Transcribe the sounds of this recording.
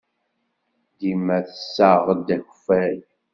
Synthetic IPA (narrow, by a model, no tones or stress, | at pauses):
d̪imæθəsːaʁd̪æçfæj